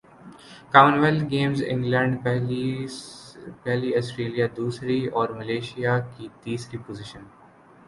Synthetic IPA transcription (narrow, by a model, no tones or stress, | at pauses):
kaːʋənʋɛlɡeːmzɪ̰̃ŋɡlɛ̃ːɳɖ | pɛɦliɔːsʈɾeːlijad̪uːsɾiɔːɾmɐleːʃijakit̪iːskipozɪʃən